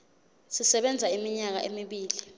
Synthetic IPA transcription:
sisɛɓɛnd͡zʱaimiɲak̬a̰ʔemiɓiːli

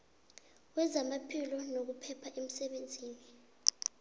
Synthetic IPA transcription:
wɛzamapʰilɔnok̬upʰɛpʰaʔem̩sɛɓend͡zʱiːni

